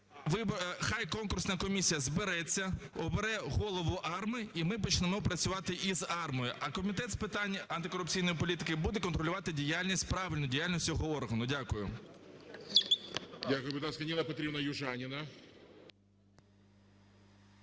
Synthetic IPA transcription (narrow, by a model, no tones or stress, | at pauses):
ʋɪbxɑjkɔnkʊrsnɐkɔmʲisʲijɐzbeɾɛt͡sʲːɐɔbeɾɛɣɔlˠɔʋʊʔɑrmɪimɪp̬ɔt͡ʃnemɔpɾɐt͡sʲʊʋɑt̪ɪʔizɑrmɔjʊʔɐkɔmʲit̪ɛt̪spɪt̪ɑnʲɐnt̪ɪkɔɾʊp̚t͡sʲijnɔjipɔlʲit̪ɪkɪbud̪ɛkɔnt̪ɾɔlʲʊʋɑt̪ɪdʲijalʲnʲisʲt̚ʲpɾɑʋʲɪlʲnʊdʲijalʲnʲisʲtʲɔɦɔɔrɦɐnʊdʲakʊjʊ̰ | dʲakʊjʊbʲɪd̪askɐnʲilˠɐpɐt̪ɾʲibnɐjʊʒanʲɪnɐ